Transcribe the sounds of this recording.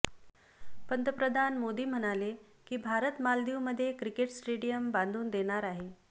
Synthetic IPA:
pənt̪ɾəpɾəd̪ʱanmod̪iːm̤əɽ̃ale | kiːbʱaɾət̪mald̪iwməd̪ʱːjekɾikeʈsʈeɽijəmband̪ʱuːnd̪eɽ̃aɾaɦe

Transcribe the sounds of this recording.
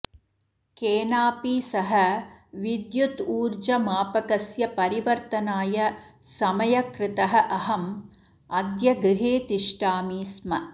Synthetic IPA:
keːnaːpiːsɐɦɐʋid̪jut̪uːɾd͡ʒɐmaːpɐkɐsjɐpɐɾiʋɐɾt̪ɐnaːjɐsɐmɐjɐkɾɪt̪ɐɦɐʔɐɦɐm | ɐd̪jɐɡɾɪɦeːt̪iʂʈaːmiːsmɐ

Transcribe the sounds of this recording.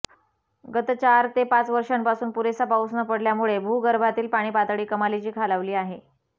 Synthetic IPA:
ɡət̪ət͡ɕaɾt̪epat͡sʋəɾʂampasuːnpuɾesapawsnəpəɽljamuɭebʱuːɡəɾbʱat̪iːlpaɽ̃iːpat̪ɽiːkəmalit͡ɕiːkʰalaʋliːaɦe

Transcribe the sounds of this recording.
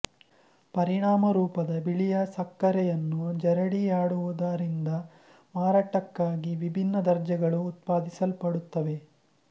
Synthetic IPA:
pɐɾiɳaːmɐɾuːpɐd̪ɐbiɭijɐsɐkːɐɾɛjɐnːud͡ʒɛɾɐɽiaːɽuʋud̪aɾind̪ɐ | maːɾaːʈɐkːaːɡiʋibʱinːɐd̪ɐɾd͡ʒɐɡɐɭuːt̪̚paːd̪isɐlpɐɽut̪ːɐʋe̞

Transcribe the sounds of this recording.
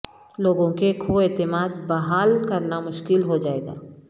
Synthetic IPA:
loːɡõkekʰoeːt̪ɪmaːd̪̚bɐɦaːlkɐɾnamʊʃkɪlɦod͡ʒaːeːɡa̰ː

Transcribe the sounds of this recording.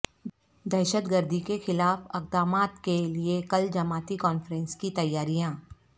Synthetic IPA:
d̪ɛːʃət̪ɡəɾd̪ʱikexɪlaːfɐq̚d̪aːmaːt̪keliekɐld͡ʒɐmaːt̪ikɔːnfɾɛ̃nskit̪ɐjːaːɾijãː

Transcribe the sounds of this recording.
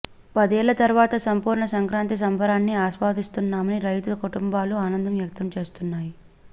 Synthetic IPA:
pɐd̪ɛːlːɐt̪ɐɾuʋaːt̪ɐsɐmpuːɾɳɐsɐŋkɾaːnt̪is̬ɐmbʱɐɾaːnːiaːʃʋaːd̪ist̪unːaːmɐniɾɐjt̪uɐkuʈumbaːluaːnɐnd̪ʱɐmʋjɐk̚t̪ɐmt͡ʃe̞ːst̪unːaːji

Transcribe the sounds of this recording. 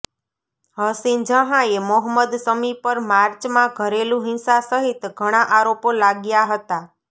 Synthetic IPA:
ɦəsind͡ʒəɦãemɔɦəmːəd̪səmipəɾmaɾt͡ʃmãɡʱəɾelũɦɪnsasəɦit̪ɡʱəɽ̃ãʔaɾopolaɡjaɦət̪a

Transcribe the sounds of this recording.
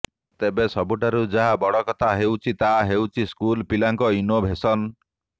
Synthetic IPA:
t̪ebesɔbuʈaɾud͡ʒaɦabɔɽɔkɔt̪ʰaɦewt͡ʃʰit̪aɦewt͡ʃʰiskulpilaŋkɔinobʱesɔn

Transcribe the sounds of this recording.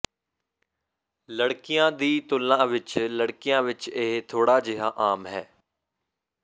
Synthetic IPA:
ləɽkɪjãːd̪iːt̪ʊlːãːʋɪt͡ʃləɽkɪjãːʋɪt͡ʃeːt̪ʰoːɽaːd͡ʒɪɦaːʔaːmɦɛː

